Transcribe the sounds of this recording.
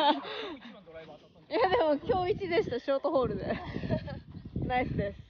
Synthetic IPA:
jad̪e̞mo̞kʲo̞ːit͡ɕid̪e̞ɕi̥t̪aɕoːt̪oɦo̞ːɾɯ̟d̪e̞ | naisɨd̪esɨ̥

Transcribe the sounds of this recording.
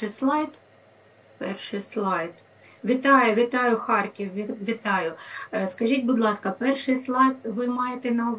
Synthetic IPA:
slˠɑjt̪ | pɛrʃɪjslˠɑjd̪ | ʋʲit̪ɑjɛʋʲit̪ɑjʊxɑrkʲiwʲʋʲit̪ɑjʊskɐʒʲitʲbʊd̪lˠɑskɐpɛrʃɪjslˠɑjd̪ʋɪmɑjet̪ɛnɐʊʋ

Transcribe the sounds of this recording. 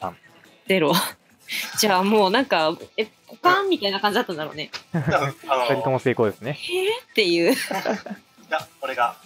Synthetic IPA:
ã̰ | ze̞ɾo̞ | d͡ʑaːmo̞ːnãŋkaekokãmːʲit̪ainakãɲ̟d͡ʑid̪at̪ːãnd̪aɾo̞̰ːne̞ | aɾʲit̪omose̞ːko̞ːd̪esɨnehet̪ːe̞jɯ̟ː | jakoɾeɡa

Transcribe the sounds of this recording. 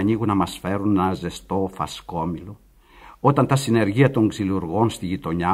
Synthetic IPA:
ɲiɣunɐmɐsfe̞ɾunnɐze̞st̪o̞fɐ̰sko̞milo̞ | ot̪ɐnt̪ɐsine̞ɾʝiɐt̪o̞ŋɡziluɾɣo̞nst̪iʝit̪o̞ɲɐ

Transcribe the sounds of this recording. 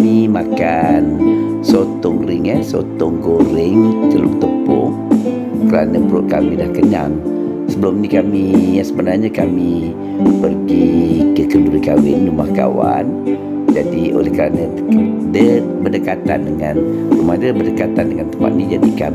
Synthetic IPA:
nimakan | sot̪ɔŋrɪŋəhso̰t̪ɔŋɡoɾɪŋt̪əlumt̪əpʊ̰h | kəɾanəbəɾʊʔ̚kamidahkəɲa̰ŋ | səbəlʊmnikamijasəbənarɲakami | pərɡikəkəluɾikawɪŋd͡ʒumahka̰wa̰n | d͡ʒadiʔo̰lɛhkəɾanə | k | də | bədəkat̪a̰ndəŋan | umahdəbərdəkat̪andəŋant̪əmpa̰t̪̚nid͡ʒadika

